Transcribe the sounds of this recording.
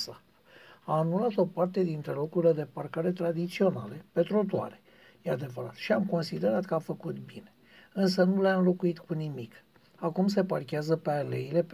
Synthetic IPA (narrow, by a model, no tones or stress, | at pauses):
sa | aːnulat̪o̞part̪e̞d̪int̪ɾe̞lo̞kuɾiled̪e̞parkaɾe̞t̪ɾad̪it̪sio̞na̰lepe̞t̪ɾo̞t̪ua̰ɾe̞̥ | jead̪e̞vəɾa̰t̪ʃiamko̞nsid̪e̞ɾat̪kəafəkut̪bine̞̥ | ɨns̬ənuleanlo̞kuit̪kunimik | akums̬e̞parkʲeazəpe̞ale̞ile̞